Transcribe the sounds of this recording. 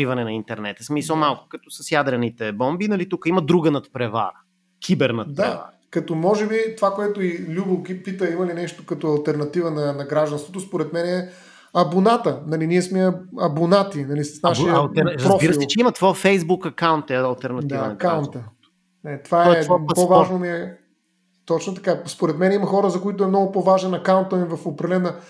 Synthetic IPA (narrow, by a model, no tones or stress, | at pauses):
ivɐnɛnɐint̪ɛɾnɛt̪əsmisomalˠkʊ̥kɐt̪ɔsəsjad̪ɾɐnit̪ɛbɔmbinɐlit̪ukəimɐd̪ɾuɡənɐt̪pɾɛva̰ | kʲʰibɛɾnɐt̪d̪aɛa̰ | kɐt̪ɔmɔʒɛbit̪ovakoɛt̪ʊilʲubəlˠkipit̪əimɐlinɛʃt̪o̥kɐt̪ɔɐlˠt̪ɛɾnɐt̪ivənɐnɐɡɾaʒd̪ɐnst̪vot̪ospoɾɛt̪mɛnɛɛ | ɐbonat̪ənɐliniɛsmɛɐbonat̪inɐlissnaʃilˠt̪ɛɾɾpzɔfbiɾəsˠɛt͡ʃɛimɐt̪vofɛjzbukɐkawnt̪ɛɐlˠt̪ɛɾnɐd̪ivɐnɐkawnt̪ə | nɛt̪ovaɛɛopovaʒnomiɛ | t̪ɔt͡ʃnot̪ɐkaspoɾɛt̪mɛnɛimɐxɔɾəzɐkoit̪ʊɛmnɔɡʊpovaʒɛnɐkaʊnt̪ɐmivɐfopɾɐlɛnɐ